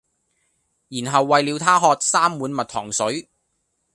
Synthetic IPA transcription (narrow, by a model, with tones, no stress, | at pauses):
jiː˨˩nɦɐ˨wːɐ˨jliː˨˧wt̪ʰaː˥ɦɔː˧t̚saː˥mːuː˨˥nmɐ˨t̚t̪ʰɔ̰ː˨˩ŋsɵ˨˥ɥ